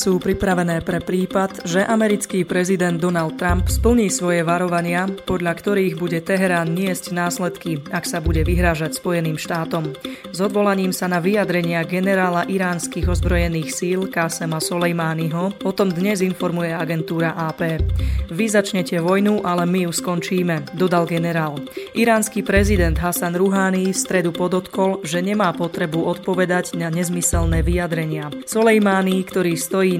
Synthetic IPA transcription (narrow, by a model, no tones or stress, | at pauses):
suːpɾipɾaʋɛnɛːpɾɛpɾiːpad̪ʒɛʔamɛɾit͡skiːpɾɛzid̪ɛnd̪ːɔnalt̪̚tːɾampspl̩ɲiːsʋɔjɛʋaɾɔʋaɲɪapɔd̪ʎakt̪ɔɾiːɣbuɟɛt̪ɛɦɛɾaːnɲɪɛzɟnaːslɛt̪kiaksabuɟɛʋiɦɾaːʒacspɔjɛniːmʃt̪aːt̪ɔm | zɔd̪ʋɔlaɲiːmsanaʋijad̪ɾɛɲɪaɡɛnɛɾaːlaʔiɾaːnskiːɣɔzbɾɔjɛniːxsiːlkaːsɛmasɔlɛjmaːniɦɔpɔt̪ɔmd̪ɲɛzinfɔɾmujɛaɡɛnt̪uːɾaʔaːpɛːʋizat͡ʃɲɛcɛʋɔjnuʔalɛmijuskɔnt͡ʃiːmɛd̪ɔd̪alɡɛnɛɾaːlʔiɾaːnskipɾɛzid̪ɛnd̪ɦasanɾuɦaːnist̪ɾɛd̪upɔd̪ɔt̪kɔlʒɛɲɛmaːpɔt̪ɾɛbuʔɔt̪pɔʋɛd̪aɟnaɲɛzmisɛlnɛːʋijad̪ɾɛɲɪasɔlɛjmaːnikt̪ɔɾiːst̪ɔjiː